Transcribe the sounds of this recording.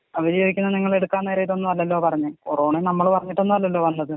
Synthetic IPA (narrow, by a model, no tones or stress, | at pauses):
ɐʋɐðjoːɡikʲːunːɐniŋːɐɭe̞ɽukːaːnːeːɾɐjilo̞nːuɐlːɐlːoːpɐrɐɲːɨkuroːɳenɐmːɐɭpɐrɐɲːiʈːo̞nːuɐlːɐlːo̞ːʋɐnːɐðɨ